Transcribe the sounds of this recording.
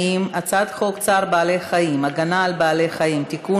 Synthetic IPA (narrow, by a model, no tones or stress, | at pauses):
imat͡sad̪χokt͡saʁbaːlejχajimaɡanaːlbaːlejχaimt̪iku